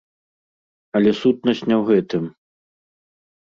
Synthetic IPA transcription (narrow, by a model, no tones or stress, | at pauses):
ɐlʲɛsut̪̚nɐsʲnʲɛwɣɛt̪ɨm